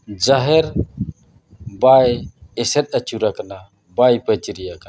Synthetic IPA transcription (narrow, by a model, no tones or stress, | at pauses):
d͡ʒaɦɛɾ | bajɛsɛt̪̚at͡ʃuɾakna | bajpət͡ʃiɾijak